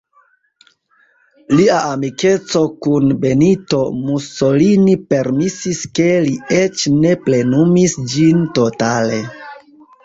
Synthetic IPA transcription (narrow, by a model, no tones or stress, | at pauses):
liaʔamike̞t͡so̞kunbe̞nito̞musolinipe̞ɾmisiske̞lie̞t͡ʃne̞ple̞numisd͡ʒinto̞tale̞